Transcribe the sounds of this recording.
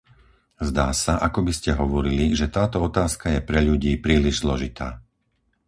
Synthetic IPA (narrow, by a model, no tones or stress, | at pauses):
zd̪aːsaʔakɔbiscɛɦɔʋɔɾiliʒɛt̪aːt̪ɔɔt̪aːskajɛpɾɛʎuɟiːpɾiːliʒzlɔʒit̪aː